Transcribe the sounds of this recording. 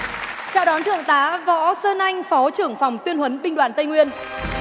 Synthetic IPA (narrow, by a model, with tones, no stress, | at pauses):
t͡ɕa̰ː˧˨wɗɔ˨˦nt̪ʰɨ̰˧˨əŋt̪aː˨˦vɔ̰˧˥səː˧nʔa˧jŋ̟fɔ˨˦t͡ɕɨ˧˩əŋfa˨˩wŋ͡mt̪wi˧ənɦwə˨˦nɓï˧ŋɗwaː˨˩nt̪ə˧jŋwi˧ən